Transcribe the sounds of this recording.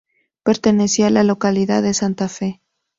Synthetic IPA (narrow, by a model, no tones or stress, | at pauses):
pe̞ɾt̪e̞ne̞sialalo̞kaliða̰ðesant̪afe̞